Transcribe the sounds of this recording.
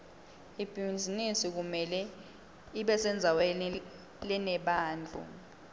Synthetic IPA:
ib̥ʱind͡zʱinisik̬umɛlɛ | iɓɛsɛnd͡zʱawɛn | lɛnɛɓaːnd͡ɮʱṵ

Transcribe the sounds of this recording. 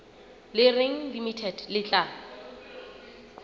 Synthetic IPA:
lɪreŋ̩limitʰɛdlɪt͡ɬʼa

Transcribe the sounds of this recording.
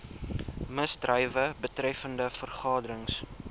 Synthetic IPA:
məsdrəjvəbətrɛfəndəfərχɑːdəɾəŋs

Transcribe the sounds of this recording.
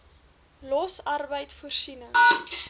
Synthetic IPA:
lɔsɐrbəjtfuərsinə

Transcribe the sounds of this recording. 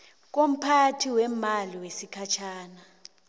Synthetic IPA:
k̬om̩pʰatʰiwɛmaliwesikʰat͡ʃʰaːna

